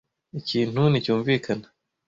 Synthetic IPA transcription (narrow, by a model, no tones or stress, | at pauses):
iciːn̥hunicuːɱviːkʰana